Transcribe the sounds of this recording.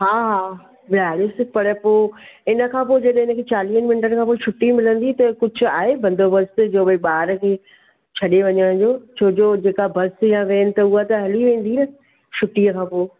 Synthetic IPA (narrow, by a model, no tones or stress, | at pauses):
ɦaːɦaː | ʋɪaːɾɪsɪpɐɽpoːɪnə̆kʰãːp̬oːd͡ʑɐɗɪnə̆kʰeːt͡ɕaːliːənmɪnʈənkʰãːpoːit͡ʃʰʊʈːimɪlə̃nd̪it̪ɐkʊd͡ʑʱʊ̆a̰ːɦebɐ̃nd̪ʱobɐst̪d͡ʑoːʋɐiɓaːɾkʰeː | t͡ɕʰɐɗeʋɐɲəɽ̃d͡ʑoːt͡ɕʰoːd͡ʑoːd͡ʑeːkabɐst̪jãʋẽːnɪ̆t̪ɐuat̪ɐɦɐliʋẽːn̆d̪inɐ | ʃʰʊʈːiəkʰãːpoː